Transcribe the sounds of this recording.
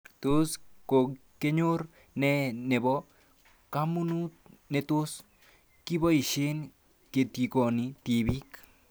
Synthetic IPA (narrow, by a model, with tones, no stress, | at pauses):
to˦sko˨ | ke˦ɲo˦ɾ | nɛnɛ˨bɔ˦ | ka˦mu˦nu˦t̚nɛ˨to˦s | ki˦bɔ˦i˨ʃe˦n | ke˨ti˨ko˨niti˨bi˦k